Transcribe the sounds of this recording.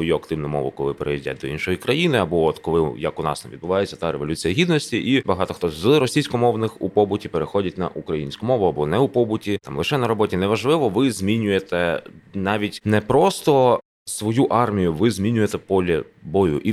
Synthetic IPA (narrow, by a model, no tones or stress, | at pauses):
ʋɔjuɐkt̪ɪwnɔmɔ̰ʋʊ̰kɔlˠɪpeɾḛidʲa̰d̪ɔinʃɔjikɾɐjinɪɐbɔɔt̪kɔlˠɪjɐkʊnɑ̰st̪ɐmʋʲid̪bʊʋɑjet͡sʲːɐ̥t̪ɑɾeʋɔlʲut͡sʲijɐɦʲid̪nɔsʲtʲiʔibɐɦɑt̪ɔxt̪ɔzrɔsʲijsʲkɔmɔʋnɪxupɔbʊtʲipeɾexɔdʲɐtʲnɐ̰ʔukɾɐjinʲsʲkʊmɔʋʊɐbɔnɛupɔbʊtʲit̪ɑmlˠɪʃɛnɐɾɔbɔtʲinɛʋɐʒlˠɪʋɔʋɪzʲmʲinʲʊjet̪ɛnɑʋʲitʲnɛpɾɔst̪ɔ | sʋɔjuʔɑrmʲijʊʋɪzʲmʲinʲʊjet̪ɛpɔlʲɐbɔjʊ̰ʔi